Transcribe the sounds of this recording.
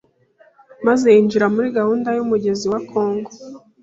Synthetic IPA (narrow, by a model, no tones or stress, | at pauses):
maze̞jiːnd͡ʒiɾamuɾiɡahuːndajumuɟe̞ziwakʰo̞ːŋɡo